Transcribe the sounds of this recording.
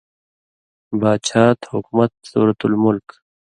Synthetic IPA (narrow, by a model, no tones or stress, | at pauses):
baːd̪ɕʰaːt̪hʊkmɐt̪̚suːɾɐt̪ulmʊlk